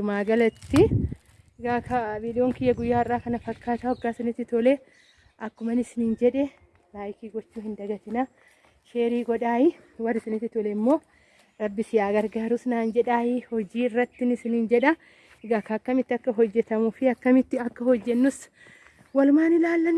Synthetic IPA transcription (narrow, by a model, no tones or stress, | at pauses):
ʊmaːɡɐlɐt̪ːɪ | ɪɡaːkɐbɪᶑɪjoːŋkɪjɐɡʊjːaːɪrːaːkɐnɐfɐkːaːt̪ɐwɔɡːaːsɐnɪt̪ːɪt̪ɔle | ʔɐkːʊmɐnɪsɪnind͡ʒɛᶑɛ | laːjkiːɡɔt͡ʃːuːhɪnd̪ɐɡɐt̪ɪnɐ | ʃe̞ːɾiːɡɔᶑaːjɪ | wɐrːɪsɐnɪt̪ːɪt̪ɔlɛɪmːo̞ː | ɾɐbːɪsɪjaːɡɐɾɡaːɾʊsnaːnd͡ʒɛᶑaːjɪhɔd͡ʒiːrːɐt̪ːɪnɪsɪnɪnd͡ʒɛᶑɐ | ɪɡaːkɐɐkːɐmɪt̪ːɪɐkːɐɦɔd͡ʒːɛt̪ɐmʊfɪɐkːɐmɪt̪ːɪɐkːɐhɔd͡ʒːɛnːʊs | wɐlʊmaːnɪlaːlːɐn